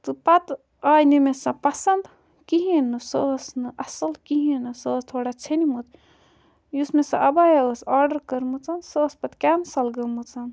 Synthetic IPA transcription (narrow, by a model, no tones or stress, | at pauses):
t̪ɨpɐt̪ | aːjnimesɐpɐsɐnd̪ | kiɦinɨsəsnɨʔɐsɐlkiɦinɨsəːst̪ʰoːɽat͡ʃʰenimut̪ | jusmesɐʔɐbajɐəsaːɾɖəɾkəɾmɨt͡sɐnsəːspɐt̪kʲansɐlɡɐmɨt͡sɐn